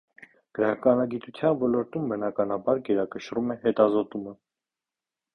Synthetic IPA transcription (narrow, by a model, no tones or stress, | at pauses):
ɡ̥əɾɑkɑnɑɡit̪ut͡sʰjɑnvɔlɔɾt̪umbənɑkɑnɑbɑɾɡɛɾɑkəʃɾumɛɦɛt̪ɑzɔt̪umə